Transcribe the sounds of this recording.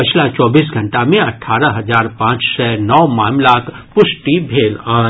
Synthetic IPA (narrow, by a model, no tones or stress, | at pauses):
pɐt͡ʃʰlat͡ʃɔːbiːsɡʱɐ̃ɳʈamẽɐʈʰːaːɾəɦɐzaːɾpãːt͡ʃsɛnɔːmaːmlakpʊʃʈibʱeːlaː